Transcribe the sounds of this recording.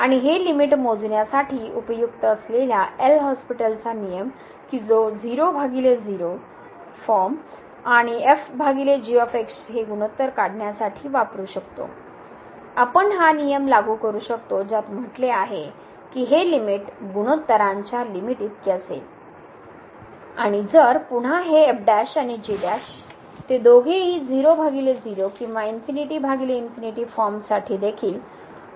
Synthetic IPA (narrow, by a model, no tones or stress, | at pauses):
aɽ̃iɦelimiʈmod͡zɳjasaʈʰiːupəjukt̪əəsleljaʔelɦɔspiʈəlt͡sanijəm | kid͡zod͡ziɾobʱaɡiled͡ziɾo | fɔɾm | aɽ̃iefbʱaɡiled͡ʑiofeksɦeɡuñət̪ːəɾkaɽɳjasaʈʰiːʋapɾuːɕəkt̪o̰ | apəɳɦanijəmlaɡukəɾuːɕəkt̪od͡ʑat̪m̤əʈleaɦe | kiːɦelimiʈɡuñət̪ːəɾaɲt͡ɕjalimiʈiːt̪̚kesḛl | aɽ̃id͡zəɾpuɽ̤aɦeːp̚ɖæɕaɽ̃id͡ʑiɖæɕ | t̪ed̪oɡʱeɦiːd͡ziɾobʱaɡiled͡ziɾokĩw̃ʋainfiniʈiːbʱaɡileinfiniʈiːfɔɾmsaʈʰiːd̪ekʰiːl